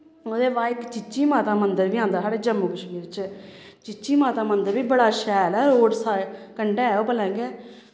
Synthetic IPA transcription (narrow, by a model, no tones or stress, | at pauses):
oːd̪eːʋaːɪkt͡ʃɪt͡ʃiːmaːt̪aːmənd̪əɾʋiːãːnd̪aːsaːɽeːd͡ʒəmːuːkəʃmiːɾt͡ʃː | t͡ʃɪt͡ʃiːmaːt̪aːmənd̪əɾbiːbəɽaːʃɛːlɛːɾoːɖsaːkəɳɖeːoːpəlɛ̃ːɡeː